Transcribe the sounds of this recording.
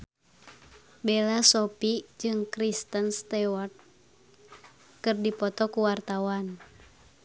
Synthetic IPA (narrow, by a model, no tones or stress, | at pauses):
belasɔpid͡ʒɨŋkɾist̪ənst̪ɛwɔrt̪̚ | kɨrdipɔt̪ɔkuwart̪awan